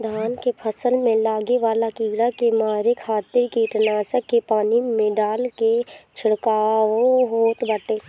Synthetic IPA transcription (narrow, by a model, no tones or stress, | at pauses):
d̪ʱaːnkepʰəsəlmẽlaːɡeʋaːlakiːɡɽakemaːɾekʰaːt̪ɪɾkiʈənaːsəkːepaːnimẽɖaːlket͡ʃʰɪɽkaːʋoɦoːt̪bəʈeː